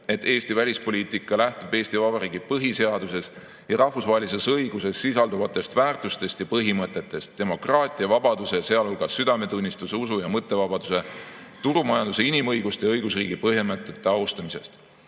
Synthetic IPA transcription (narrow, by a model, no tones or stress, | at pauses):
e̞t̪ːe̞ːst̪ivælʲispo̞lʲiːt̪ˑikːˑɑlæht̪ub̥e̞ːst̪ivɑbɑɾiːɡ̥ipɤɦise̞ɑd̪̥use̞s | jɑɾɑhfusvɑːɦelis̬e̞sɤjɡuse̞sːisɑld̪uvɑt̪ːˑe̞st̪væːrt̪ˑust̪e̞st̪jɑpɤɦimɤt̪ːˑe̞t̪ːˑe̞st̪ːe̞mo̞krɑːt̪ʲˑiɑvɑbɑd̪use̞se̞ɑlolɡ̥ɑsːyd̪ɑme̞t̪unʲːist̪useusujɑmɤt̪ˑːe̞vɑb̥ɑd̪̥use̞ | t̪uɾumɑjɑnd̪̥use̞inimɤjɡ̥ust̪eɤjɡ̥usriːɡ̥ipɤɦemɤt̪ːˑet̪ːˑe̞ɑust̪ɑmise̞̰st̪